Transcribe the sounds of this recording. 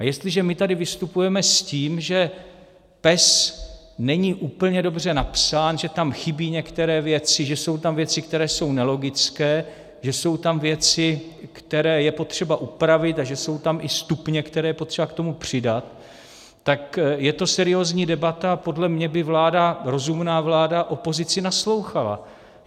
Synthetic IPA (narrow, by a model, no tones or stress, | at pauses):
ʔajɛst̪lɪʒɛmɪt̪adɪvɪst̪upujɛmɛsciːmʒɛ | pɛs | nɛɲiːʔuːpl̩ɲɛdo̞br̝ɛnapsaːnʒɛt̪amxɪbiːɲɛkt̪ɛɾɛːvjɛt͡sɪʒɛso̞wt̪amvjɛt͡sɪk̚t̪ɛɾɛːso̞wnɛlo̞ɡɪt͡skɛː | ʒɛso̞wt̪amvjɛt͡sɪkt̪ɛɾɛːjɛpo̞t̪r̝̥ɛbaʔupɾavɪt̪aʒɛso̞wt̪amʔɪst̪upɲɛkt̪ɛɾɛːjɛpo̞t̪r̥ɛbakt̪o̞mupr̝̥ɪdat̪̚ː | akjɛt̪o̞sɛɾɪjoːzɲiːdɛbat̪apo̞dlɛmɲɛbɪvlaːdaɾo̞zumnaːvlaːdaʔo̞po̞zɪt͡sɪnaslo̞wxala̰